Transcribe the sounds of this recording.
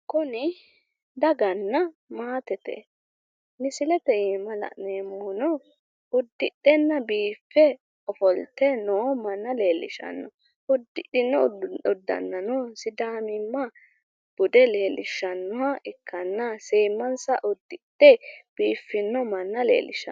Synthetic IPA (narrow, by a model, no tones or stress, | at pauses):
kʊnɪ | d̪ɐɡɐnːɐ | maːt̪ɛt̪ɛ̰ | nɪsɪlɛt̪ɛjiːmɐlɐ̰ʔneːmʊːnɔ | ʊd̪ːɪɗːɛnːɐbiːfːɛ | ɔfɔlt̪ːɛnoːmɐnːɐle̞ːlːɪ̰ʃɐ̰nːɔ | ʊd̪ːɪɪnːɔʊd̪ːɐ̰nːɐnɔːsɪd̪aːmɪmːɐ | b̥ʊd̪ɛle̞ːlːɪʃːɐnːɔwaɪkːɐnːɐseːmːɐnsɐʔʊd̪ːɪdɛb̥iːfːɪnːɔmɐnːɐlḛːlɪ̰ʃɐ̰